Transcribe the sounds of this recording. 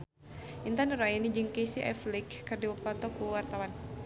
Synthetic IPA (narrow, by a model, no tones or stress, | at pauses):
int̪anuɾajinid͡ʒɨŋkesiʔɛ̰flikːɨrdiwəpat̪ɔkuwart̪awan